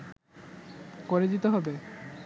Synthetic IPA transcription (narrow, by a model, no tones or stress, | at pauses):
koɾed͡ʑit̪oɦɔbe